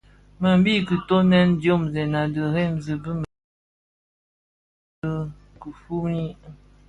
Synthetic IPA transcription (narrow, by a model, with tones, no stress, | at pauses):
ma˨m˦bi˦kə˨to˦nɛ˦ndjo˦˨mzɛ˨na˨də˨ɾɛ˦˨mzə˨bə˦m | ə˦ | kə˨fu˦ni˦